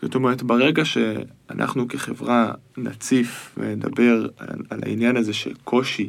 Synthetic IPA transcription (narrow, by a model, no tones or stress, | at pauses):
zotomeʁetbeʁeɡaʃea̰nʔa̰χnukeχe̞vʁana̰t͡sifveneda̰be̞ʁaala̰injanazeʃe̞̰lkʰo̞ʃi